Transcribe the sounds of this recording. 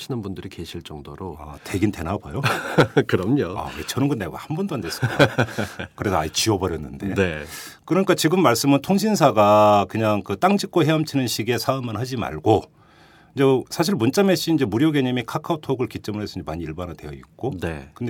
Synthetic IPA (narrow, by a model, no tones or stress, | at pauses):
ɕʰinɯnbundɯɾike̞ɕʰiɭt͡ɕ͈ʌŋdoɾoa̰te̞ɡinte̞nabajokɯɾʌmɲoa̰et͡ɕʌnɯnɡʌnːeɡa̰hanbundoandes͈ɯik | kɯɾe̞sʰʌa̰it͡ɕiʌbʌɾjʌnːɯnde̞̰e | kɯɾʌɲik͈at͡ɕiɡɯmːaɭs͈ɯmɯntʰoŋɕʰinsʰaɡakɯɲaŋkɯt͈aŋd͡ʑʰik͈̚oɦe̞ʌmt͡ɕʰinɯnɕʰiɡe̞sʰaɯmɯnhad͡ʑima̰ɭɡo | ind͡ʑesʰaɕ̬ʰiɭmunt͡ɕ͈ameɕ͈iːnd͡ʑe̞muɾjoɡeɲimikʰakʰautʰoɡɯɭkit͡ɕ͈ʌmɯɭɦesʰʌiɲd͡ʑemaɲiːɭbanɦatwe̞jʌḭk͈̚one̞kɯnde